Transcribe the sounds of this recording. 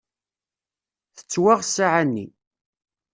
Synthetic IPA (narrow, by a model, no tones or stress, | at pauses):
θə̥t͡sːwaʁsaʕanːḭ